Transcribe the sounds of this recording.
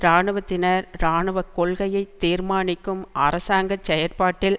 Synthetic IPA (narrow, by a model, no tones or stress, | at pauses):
ɾaːɳɯʋɐt̪ːɪnɐɾɾaːɳɯʋɐkːɔɭɣɐjɐɪt̪ːiːɾmaːnɪkːɯmɐ̰rɐsaːŋɡɐt͡ʃːɛjɐɾpaːʈːɪl